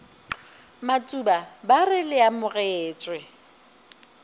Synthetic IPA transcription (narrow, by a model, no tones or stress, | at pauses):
mat͡sʼubabarɪlɪamʊɣɛeːt͡ʃʼwɪ